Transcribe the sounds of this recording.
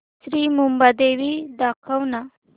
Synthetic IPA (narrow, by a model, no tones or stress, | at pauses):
sɾimumbad̪ewid̪ɑqawna